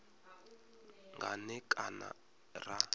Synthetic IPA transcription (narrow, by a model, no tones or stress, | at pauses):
ŋɡʱanɛkʼana | ra